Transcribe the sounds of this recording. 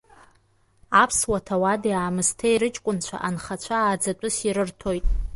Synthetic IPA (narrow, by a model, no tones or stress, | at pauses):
apʰswatʰawadiaːmɨstʰejɾɨt͡ʃʼkʷʼʊnt͡ɕʷʰa̰ʔanχat͡ɕʷʰaːd͡zat͡pʷʼʊsiɾɨrtʰo̞jtʼ